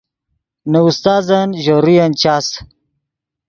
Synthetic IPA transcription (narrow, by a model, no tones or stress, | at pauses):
nɐust̪aːzanʑoɾijɐnt͡ɕaːs